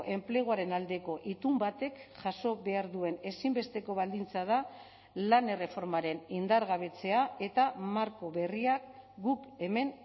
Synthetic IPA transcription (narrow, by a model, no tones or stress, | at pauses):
ʔe̞mpleɣ̞oaɾe̞nald̪e̞ko̞ʔit̪umbat̪e̞kʝaso̞βe̞aɾðue̞ne̞simbe̞st̪e̞ko̞βald̪int͡sað̞a | lane̞re̞fo̞ɾmaɾe̞nind̪aɾɣaβ̞e̞t͡se̞ae̞t̪amaɾko̞βe̞riakɡuke̞me̞n